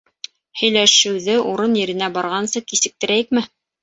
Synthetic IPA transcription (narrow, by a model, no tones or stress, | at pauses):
hɵ̆jlæʃɘ̆wðɘʔuɾɤnjɘ̆ɾɘ̆næbɑɾʁɑnsɤkisɘ̆k̚t̪ɘ̆ɾæjɘk̚mɘ